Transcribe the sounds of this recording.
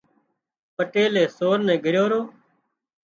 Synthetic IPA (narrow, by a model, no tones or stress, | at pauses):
pəʈeːlẽːsoːɾnɛ̃ːɡʱəɾjoːɾoː